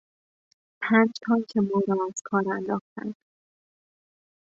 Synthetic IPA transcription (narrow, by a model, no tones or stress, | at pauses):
pʰæːnd͡ʒt̪ʰɒːncʰemɒːɾɒːæz̥kʰɒːɾænd̪ɒːxt̪æ̰nd̪̥